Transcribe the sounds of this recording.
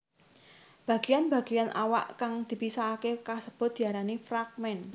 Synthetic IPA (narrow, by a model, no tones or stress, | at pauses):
b̥a̤ɡ̥ejanb̥a̤ɡ̥ejanʔawa̰ʔkaŋd̪̥i̤pisaːkekasəb̥ʊ̤d̪̥i̤aɾanifrak̚mɛn